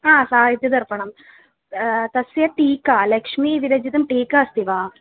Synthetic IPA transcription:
aːsaːɦit̪jɐd̪ɐɾpɐɳɐm | t̪ɐsjɐʈiːkalɐkʂmiʋ̪iɾɐd͡ʒit̪ɐmʈiːkɐɐst̪iʋaː

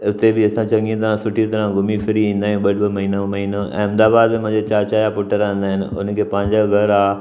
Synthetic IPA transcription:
ʊt̪ebɪɐsãt͡ɕɐ̃ŋɡĩt̪̬ɐɾãsʊʈʰit̪ɐɾãɡʱʊmifɪɾiĩːn̆d̪aːijũɓɐɖbɪmɐɦiːnãmɐɦiːnõʔɛ̰̃ːɐ̃md̪aːbaːd̪mẽmʊ̃ɦɪ̃ɲd͡ʑet͡ɕaːt͡ɕaːjapʊʈəɾãːn̆d̪aːɦɪnɪ̰̆ʊ̰nkʰeːpɐ̃ɦɪ̃ɲd͡ʑaɡʱɐɾaː

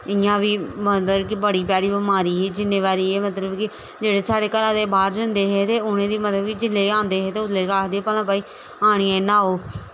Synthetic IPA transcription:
ɪjãːʋiːməəbkɪbəɽiːpjaːɾiːbɪmaːɾiːɦeːd͡ʒɪnːeːʋaːɾiːeːmət̪ləbkɪ | d͡ʒeːɽeːsaːɽeːkəɾaːd̪eːbaːɾd͡ʒənd̪eːɦɛːt̪eːʊnẽːd̪iːmət̪əbkid͡ʒɪlːeːãːnd̪eːɦeːt̪eːʊt̪leːkaːkʰd̪eːpəlãːpaːiː | aːɽ̃iːeːnãːoː

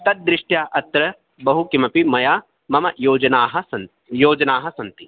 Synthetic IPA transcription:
t̪ɐt̪̚d̪ɾɪʂʈjaːʔɐt̪ɾɐ | bɐɦukimɐpimɐjaː | mɐmɐjoːd͡ʒɐnaːɦɐ̆sɐn | joːd͡ʒɐnaːɦɐ̆sɐnt̪i

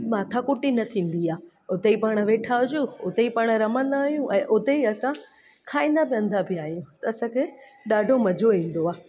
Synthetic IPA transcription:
maːt̪ʰakʊʈinɐt̪ʰĩːn̆d̪iaː | ʊt̪eipaːɽ̃̆ʋeːʈʰaʊd͡ʑuʊt̪eipaːɽ̃̆ɾɐmə̃nd̪aːɦijũʔɛ̃ːʔʊt̪eiɐsã | kʰaːĩːn̆d̪abiə̃nd̪abʱɪaːɦijũt̪ɐɐsãkʰe | ɗaːɖʱomɐd͡ʑʱoĩːn̆d̪oaː

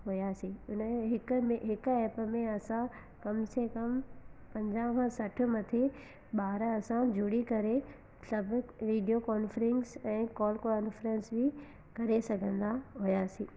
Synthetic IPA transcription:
ɦujasĩːʊnəɦɪkmẽɦɪkʊɛːpəmẽɐsã | kɐmsekɐmpɐ̃ɲd͡ʑãkãsɐʈʰʊ̆mɐt̪ʰe | ɓaːɾɐsãd͡ʑʱʊɽikɐɾe | sɐbʱʊʋiːɖijokɔːnfɾɪ̃nsɛ̃ːkɔːlkaːnfɾə̃nsbʱɪ | kɐɾesɐɡʱə̃nd̪aɦujaːsĩː

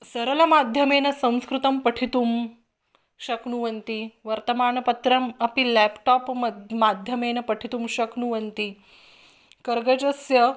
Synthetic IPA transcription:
sɐɾɐlɐmad̪ʱjɐmeːnɐsɐ̃w̃skɾut̪ɐmpɐʈʰit̪um | ɕɐknuʋɐnt̪iʋɐɾt̪ɐmaːɳɐpɐt̪ɾɐmɐpilæpʈɔːpmd̪mad̪ʱjɐmeːnɐpɐʈʰit̪umɕɐknuʋɐnt̪i | kɐɾɡɐd͡ʑɐsjɐ

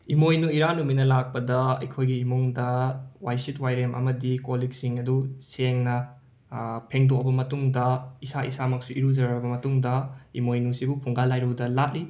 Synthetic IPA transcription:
imojnuiɾanuminɐlak̚pɐdɐɐ̰jkʰojɡiːmuŋdɐwajsitwajɾemʔɐ̰mɐdikoliksiŋɐduseŋnɐ | pʰeŋdokbɐmɐtuŋdɐisaḭsamɐk̚suʔiɾuzɐɾɾɐbɐmɐtuŋdɐimojnusibupʰuŋɡalajɾuwdɐlat̚li

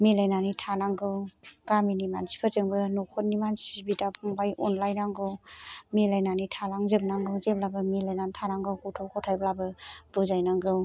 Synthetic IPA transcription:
milajnanitʰanaŋɡɯwɡaminimansi̥pʰəzɯŋbɯnokʰɔt̚nimansibitapʰuŋbajʔɔnlajnaŋɡɯwmelajnanitʰalaŋzɯbnaŋɡɯwzeblabɯmilajnantʰanaŋɡɯwkutʰɔkʰɔtʰajblabɯbɯzajnaŋɡɯw

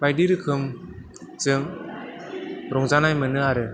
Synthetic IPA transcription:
bajdiɾɯkʰɯm | zɯŋ | ɾɔŋzanajmənɯaɾɯ

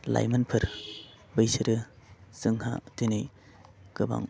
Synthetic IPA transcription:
la̰jmɐnpʰɯɾ | bɯjsɯɾɯsɯŋha̰tinɯj | kɯba̰ŋ

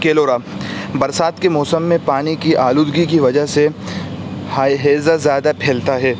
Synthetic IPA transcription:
keːloːɾaːbɐɾsaːt̪kemɔːsəmːẽpaːnikiʔaːluːd̪ɡikiʋɐd͡ʒəɦse | ɦeːzazjaːd̪apʰeːlt̪aɦɛː

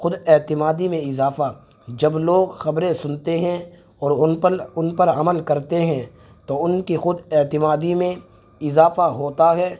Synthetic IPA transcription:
xʊd̪ɛt̪ɪmaːd̪imẽɪzaːfa | d͡ʒɐbloːɡxɐbɾẽsʊnt̪eɦɛ̃ | ɔːɾʊnpəɾɐməlkɐɾt̪eɦɛ̃ | t̪oʊnkixʊd̪eːt̪ɪmaːd̪imẽ | ɪzaːfaɦoːt̪aɦɛː

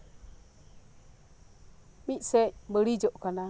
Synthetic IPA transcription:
ɓiʔsembəɾid͡ʒoʔkana

